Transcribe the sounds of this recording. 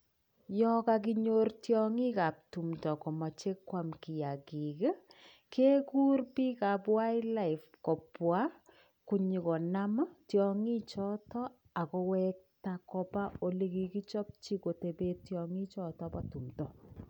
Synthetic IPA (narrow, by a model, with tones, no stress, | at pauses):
jɔ˦ka˨k̬i˦ɲo˦rtjɔ˦ŋi˦ka˨p̚tu˨mtɔ˨kɔ˨ma˨t͡ʃe˦kːwa˦mki˨ja˨ki˨ke˦ | kʰe˦ku˦rpi˦ka˨pwa˦jla˦i˨fkɔ˨pwa˦ | ku˨ɲi˨kɔ˨na˦ma˦tjɔ˨ŋi˦t͡ʃɔ˦tɔ˦ | a˨kɔ˧wɛ˦k̚ta˨kɔ˨pa˦o˨le˦ki˨ki˦t͡ʃɔ˦p̚t͡ʃi˦ko˨te˨pe˦tjɔ˨ŋi˦t͡ʃɔ˦˨tɔ˦patu˨mtɔ˨